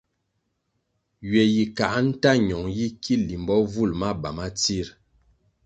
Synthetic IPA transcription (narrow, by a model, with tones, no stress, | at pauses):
ɥɛ˨ji˨ka˨ʔn̩˦ta˦ɲɔ˨ŋji˦kʰi˦li˨mbɔ˦vu˦˨lma˦ba˨ma˦t͡si˦˨ɾ